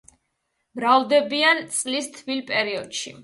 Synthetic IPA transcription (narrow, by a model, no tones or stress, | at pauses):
mɾavd̪ɛbiant̪sʼlist̪ʰvilpʼɛɾiɔd̪̥ʃi